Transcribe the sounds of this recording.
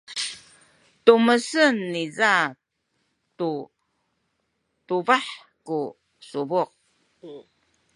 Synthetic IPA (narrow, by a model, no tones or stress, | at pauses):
tuməsənːiza | tu | tuvaħ | ku | suvuq̚